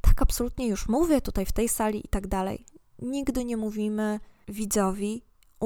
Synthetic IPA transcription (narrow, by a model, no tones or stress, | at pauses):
t̪ʰḁkapsɔlut̪ɲɛjuʂmuvʲɛt̪ut̪ajft̪ɛjsalʲiʔḭt̪aɡd̪alɛ̰j | ɲiɡd̪ɘɲɛmuvʲimɘvʲid̪zɔvʲi